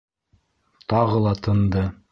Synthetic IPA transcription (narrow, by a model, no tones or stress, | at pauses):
t̪ɑʁɤlˠɑt̪ʰɤ̆nd̪ɤ